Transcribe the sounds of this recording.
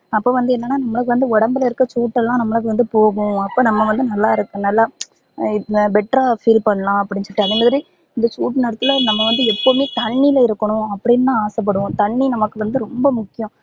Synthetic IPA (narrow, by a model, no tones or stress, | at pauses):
ɐpːoːʋɐnd̪ɯɛnːɐnːaːnɐmːɐɭɐkːɯʋɐnd̪ɯɔɽɐmbɪlɐɪɾɯkːɐt͡ʃuːʈːɛlːãːnɐmːɐɭɐɣɯʋɐnd̪ɯpoːɣʊ̃ɐpːoːnɐmːɐʋɐnd̪ɯnɐlːaːɪɾɯkːɯ̃nɐlːaː | ɪbɛʈɾafiːlpɐɳːɐlãːɐpːɐɽɪɲt͡ʃɔʈːɯɐðɐmaːðɪɾi | ɪnd̪ɐt͡ʃuːʈːnɐɽɐt̪ːɯlɐnɐmːɐʋɐnd̪ɯɛpːomeːt̪ɐɳːilɪɾɯkːɐɳʊ̃ɐpːɐɽɪnːãːaːsɛp̬ːɐɽɯʋʊ̃t̪ɐɳːinɐmɐkːɯʋɐnd̪ɯɾɔmbɐmʊkːɪjʊ̃